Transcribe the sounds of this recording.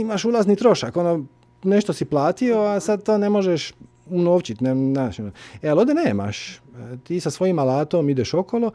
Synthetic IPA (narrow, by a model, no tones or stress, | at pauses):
imaʃulˠazniːt̪ɾo̞ʃako̞no | ne̞ʃt̪osiplaːt̪io̞asad̪̚t̪oːne̞mo̞ʒeʃ | unoːʋt͡ʃit̪nenaːʃonoealod̪eneːma̰ʃt̪iːsasʋo̞jimalaːt̪omid̪eʃo̞kolo